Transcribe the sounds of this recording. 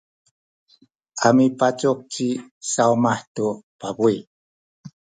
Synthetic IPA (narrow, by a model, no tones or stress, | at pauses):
amipat͡suk̚kisaumaħtupabui